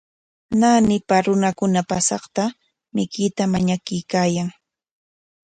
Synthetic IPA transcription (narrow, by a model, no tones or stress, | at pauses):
nanɪpaɾʊnakʊnapasɑχt̪a | mɪkɪt̪amaɲakɪjkaːjaŋ